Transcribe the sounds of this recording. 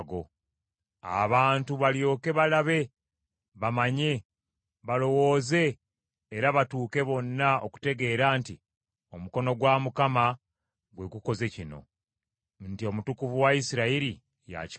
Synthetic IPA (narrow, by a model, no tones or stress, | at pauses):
ɡo̞ | a̰βaːntuβaljo̞ːke̞βalaβe̞ | βamaɲe̞ | βalo̞wo̞ːze̞ː | ɾaβatuːke̞βo̞nːaoku̥te̞ɡe̞ːɾaːnti | o̞muko̞no̞ɡwamukama | ɡwekuko̞ze̞cino̞̰ | ntio̞mutukuvuwaisiɾaiɾi | ja̰ci̥